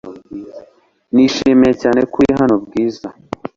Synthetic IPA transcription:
niʃiːmejecaːne̞kujeɦano̞bɡiːza

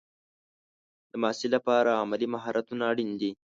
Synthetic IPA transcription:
d̪̥əmɑsilapɑɾaamalimaɦɑɾʔat̪unaːɽind̪i

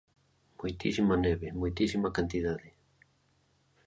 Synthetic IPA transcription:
mujt̪isimaneβemujt̪isimakant̪iðaðe

